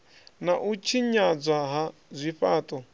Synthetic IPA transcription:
naʔut͡ʃʰiɲad͡zʷaɦazʷiɸaːt̪ʼɔ

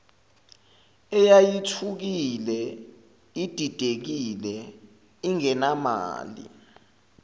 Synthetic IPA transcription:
ɛjajitʰuk̬ilɛ | id̥ʱid̥ʱek̬ilɛ | iŋɛnama̰ːlḭ

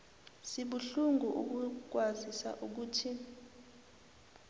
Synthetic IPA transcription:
siɓuɬuŋɡʱuʔuk̬uk̬wazisa̰ʔuk̬uːtʰi

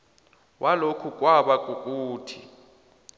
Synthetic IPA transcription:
wʔalokʰukʼwaɓakʼukʼuːtʰi

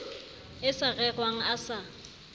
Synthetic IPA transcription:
ɪsarɛɣwaŋ̩asa

